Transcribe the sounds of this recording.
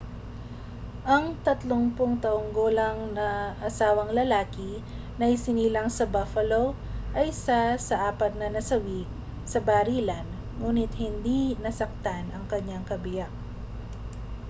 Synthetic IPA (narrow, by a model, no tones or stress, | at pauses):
ʔɐŋt̪ɐt̪loŋpoŋt̪ɐʔoŋɡoːlɐŋnɐʔɐsaːwɐŋlɐlaːkɪ | nɐjsɪniːlɐŋsɐbafɐlo | ʔɐjsɐsɐʔaːpɐt̪̚nɐnɐsɐwik | sɐbaɾiːlɐn | ŋuːnɪt̪hɪnd̪inɐsɐk̚t̪anɐŋkɐɲːaŋkɐbɪjak̚